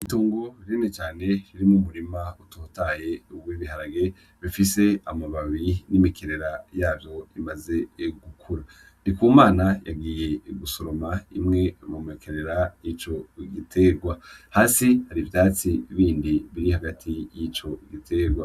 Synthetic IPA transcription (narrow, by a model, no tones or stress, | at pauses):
ituːŋɡo̞iɾenet͡ʃaːne̞ɾiɾimumuɾimautʰotaːje̞uɡwiβiɦaɾaɡe̞ | βifise̞amaβaβinimikʰeɾe̞ɾajaːvjo̞imaze̞ɡukʰuɾa | nikuːmaːnaja̰ɡiːje̞ɡusoɾo̞maḭmŋe̞mumikʰeɾe̞ɾajit͡ʃo̞ɡitʰe̞ɾɡwahaːsihaɾivjaːt͡siβiːndiβiɾihaɡatʰijit͡ʃo̞ɡitʰe̞ɡwa